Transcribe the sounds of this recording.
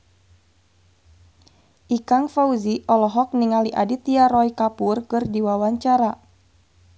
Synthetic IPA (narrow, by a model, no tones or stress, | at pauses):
ʔikaŋfauziʔɔlɔɦɔk̚niŋaliʔadit̪iaɾɔjkapurkɨrdiwawaɲt͡ʃaɾa